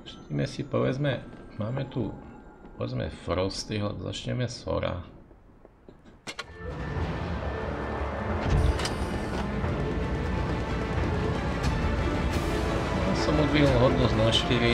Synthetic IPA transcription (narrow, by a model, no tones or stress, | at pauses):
ʃt̪imɛsipɔʋɛd͡zmɛmaːmɛt̪upɔʋɛ̰d͡zmɛ̰fɾɔst̪ɾiɦɔza̰t͡ʃɲɛmɛsɔ̰ɾa̰ | jaːsɔmɔzʋilɦɔd̪nuznaʃt̪iɾi